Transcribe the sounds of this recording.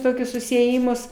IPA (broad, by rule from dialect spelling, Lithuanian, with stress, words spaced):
ˈtoːkʲʊs sʊsʲɪeːˈjɪmʊs